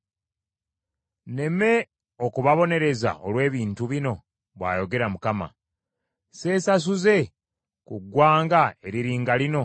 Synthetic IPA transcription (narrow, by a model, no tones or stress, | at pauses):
ne̞me̞ | o̞kuβaβo̞ne̞ɾe̞za̰ʔo̞lwe̞ːβiːntuβino̞ | βwa̰ːjo̞ɡe̞ɾamukama̰ | se̞ːsas̬uze̞ | kuɡwaːŋɡae̞ɾiɾiːŋɡalino̞